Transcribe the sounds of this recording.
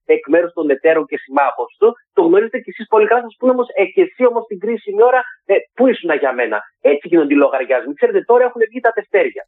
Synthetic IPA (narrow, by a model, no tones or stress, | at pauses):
e̞kme̞ɾust̪o̞ne̞t̪e̞ɾoce̞simɐɣo̞st̪ut̪oɣno̞ɾize̞t̪ecesispo̞likɐlɐsɐspuneo̞mo̞seçe̞sio̞mo̞st̪iɡɾisinio̞ɾɐpuisunɐʝɐme̞nɐ̰et͡siʝinod̪ilo̞ɣɐɾʝɐzmikse̞ɾe̞t̪e̞t̪o̞ɾɐe̞xune̞vʝit̪ɐðe̞ft̪e̞ɾʝɐ